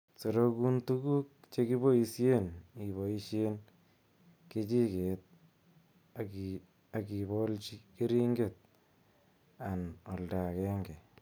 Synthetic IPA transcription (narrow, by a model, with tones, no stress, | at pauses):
se˨ɾo˦ku˦ntu˦ku˦k̚t͡ʃe˦ki˦bo˦i˧sje˦ni˨βo˨i˦ʃje˦n | ke˦t͡ʃi˦ke˨t̪̚ | a˨ki˨βo˦lt͡ʃi˦ke˦ɾi˦ŋɡe˨t̪̚ | a˨nɔ˨lda˨kɛ˦ŋɡe˨